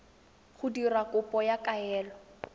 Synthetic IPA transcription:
χʊdirakʊpʼɔjakʼaɛːlɔ

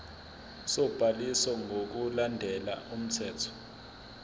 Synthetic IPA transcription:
sɔb̥ʱalisɔŋok̬ulandʱɛla̰um̩tʰɛːtʰɔ̥

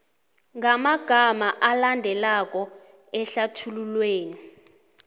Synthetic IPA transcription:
ŋamaɡ̥ʱamaʔalandʱɛlak̬ʼɔ | ɛɬatʰululweːni

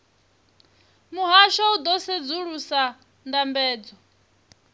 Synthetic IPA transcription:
muɦaʃaud̪ɔsed͡zuɺusa | ndambɛːd͡zɔ

